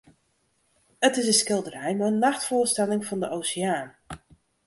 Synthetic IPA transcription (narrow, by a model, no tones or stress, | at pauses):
ətɪsəskɪlˠdərɛjmaənːaxtfʊːəstɛlɪŋfɑndəʔowsɪaːn